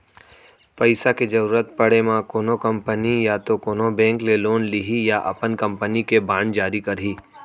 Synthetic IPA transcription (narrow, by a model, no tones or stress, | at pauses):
pɐɪsaked͡ʒɐɾuːɾət̪pɐɽemãkoːnokɐ̃mpənijat̪okoːnobɛ̃ːŋkleloːnliɦijaʔɐ̰pənkɐ̃mpənikebãːnd͡ʒaːɾikɐɾɦiː